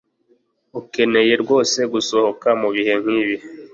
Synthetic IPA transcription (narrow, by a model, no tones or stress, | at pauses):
uke̞ne̞je̞ɾɡwo̞ːse̞ɡusohokamuβihe̞ŋ̥hiβi